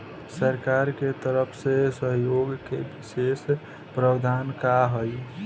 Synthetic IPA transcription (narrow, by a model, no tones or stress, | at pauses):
səɾkaɾket̪əɾəpʰsesəɦjoɡkebises | pɾəbd̪ʱankaɦəj